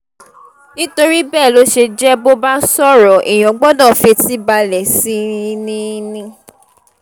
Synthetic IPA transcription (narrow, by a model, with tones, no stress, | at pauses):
nĩ˦to˧ɾi˦bɛː˦˨lo˦ʃe˧d͡ʒɛ˦bo˦ba˦sɔ˦˨ɾɔ˨ʔi˨j̃ɔ̃˨ɡ͡bɔ˦dã˦˨fe˧ti˦ba˧lɛ˨sĩ˦˧nĩ˦˧nĩ˧